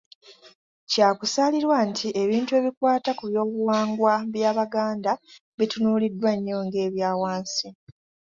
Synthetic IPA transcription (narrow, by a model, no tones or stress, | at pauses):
caːkusaliɾwantʰiʔe̞βiːntue̞ːβikwaːtakuβjo̞ːβuwaːŋɡwaβjaːβaɡaːnda | βitunuːlidːwaɲːo̞ːŋɡe̞ːβjaːwaːnsi